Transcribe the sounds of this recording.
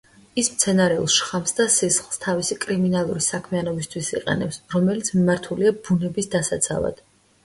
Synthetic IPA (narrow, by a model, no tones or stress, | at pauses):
ismt̪sʰɛnaɾɛṵlˠʃχamsd̪asisχlˠst̪ʰavisikʼɾiminalˠuɾisakʰmianɔbist̪ʰwisḭqʼɛ̰nɛ̰psɾɔmɛlit̪sʰmimaɾt̪ʰuliabunɛbisd̪asat̪sʰa̰va̰d̪̥